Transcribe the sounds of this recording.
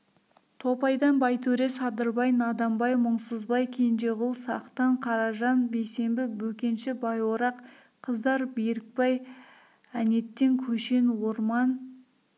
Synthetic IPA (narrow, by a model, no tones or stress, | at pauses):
t̪ʰo̞pɑjd̪ɑnbɑjt̪ʰɵɾe̞sɑd̪əɾbɑjnɑd̪ɑmbɑjmʊɴsəzbɑjkʲʰe̞nʒe̞ʁʊlˠsɑ̰qt̪ɑɴqʰɑɾɑʒɑnbe̞jse̞mbɪbɵkʲe̞nʃɪbɑjwoɾɑq | qʰəzd̪ɑɾbejɾɪk̚pɑj | æne̞t̪ːe̞ŋkʲʰɵʃe̞nwo̞ɾmɑn